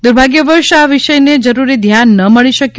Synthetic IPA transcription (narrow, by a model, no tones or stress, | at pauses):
d̪uɾbʱaɡjəʋəɾʃaʋiʃəjned͡ʒəɾuɾid̪ʱjanːəməɭiʃəkj